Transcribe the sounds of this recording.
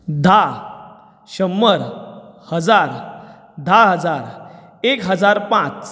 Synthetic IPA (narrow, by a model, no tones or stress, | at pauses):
d̪ʱa | ɕəmːəɾhəd͡zaɾ | d̪ʱaɦəd͡zaɾ | ekɦəd͡zaɾpãt͡s